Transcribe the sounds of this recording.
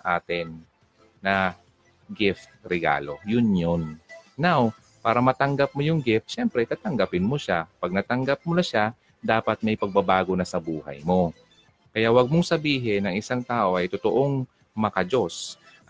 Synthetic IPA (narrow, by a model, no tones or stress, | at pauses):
ʔaːt̪ɪnː | ɐ | ɡɪft̪̚ɾɛɡa̰ːlo̞jʊnjonːaw | paːɾɐmɐt̪ɐŋɡap̚mojʊŋɡɪft̪ʃɛmpɾɛt̪aːt̪ɐŋɡɐpɪnmoʃapɐɡ̚nɐt̪ɐŋɡap̚mʊnɐʃa | d̪aːpɐt̪̚mɐjpɐɡ̚bɐbaːɡo̞nɐsɐbuːhɐ̰jmo̞ | kɐjawɐɡ̚moŋsɐbiːɦɪnːɐŋɪsaŋt̪aːʔo̞ʔɐjt̪ot̪oʔoŋ | mɐkɐd͡ʒo̞s